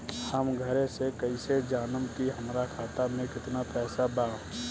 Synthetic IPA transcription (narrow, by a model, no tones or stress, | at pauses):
həmɡʱəɾẽsekəised͡ʒaːnəmkiɦəmɾakʰaːt̪amẽkɪt̪napɛːsabãː